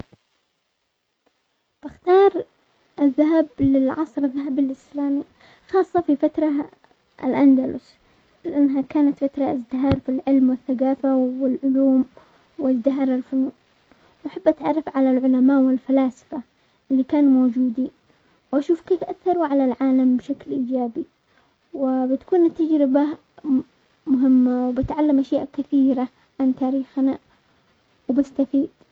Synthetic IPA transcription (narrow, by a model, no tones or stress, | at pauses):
b̥ɪxt̪ɑːɾˤ | ʔɪðːaɦablɪlʕɑ̰sˤɾɪðːaɦabɪlʔɪslaːmi | xɑːsˤːɑfifat̪ɾˤɑ | ʔɪ̰lʔand̪alʊ̰s | lɪʔanːaɦakaːnat̪fat̪ɾˤɑɪzd̪ɪɦɑːɾˤfilʕɪlmwɪθːaɡaːfawɪlʕʊluːm | wɪzd̪ɪɦɑːɾˤɪlfʊnuːʔ | wʔaħabːʔat̪ʕɑrˤːɑfʕalalʕʊlamaːʔwɪlfalaːsɪ̥fa | ʔɪlːikaːnmoːd͡ʒuːd̪i | wʔaʃuːfkeːfʔaθːɑɾˤuʕalalʕaːlambɪʃaklʔiːd͡ʒaːbi | wɪbɪt̪ḁkuːnɪt̪ːad͡ʒɾɪba | mʊɦɪmːawbɪt̪ʕalːamʔaʃjaːʔkɪθiːɾa | ʕant̪aːɾiːxna | wbɪst̪afiːd̪̥